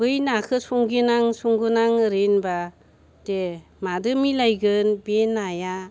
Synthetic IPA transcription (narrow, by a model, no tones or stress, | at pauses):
bɯjnakʰɯsuŋɡinaŋsuŋɡɯnaŋɯɾenba | de | madɯmilajɡɯnbenaja